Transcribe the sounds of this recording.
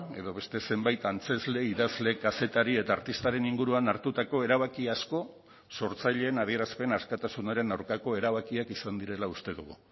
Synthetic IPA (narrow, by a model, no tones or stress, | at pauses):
e̞ðo̞βe̞st̪e̞se̞mbajt̪ant͡se̞zle̞iðazle̞kase̞t̪aɾie̞t̪aːɾt̪ist̪aɾe̞niŋɡuɾuanaɾt̪ut̪ako̞e̞ɾaβ̞akiasko̞ | so̞ɾt͡sajʎe̞ːnað̞ie̞ɾaspe̞naskat̪asunaɾe̞nawɾkako̞e̞ɾaβ̞akiakisand̪iɾe̞laust̪e̞ðuɣ̞ṵ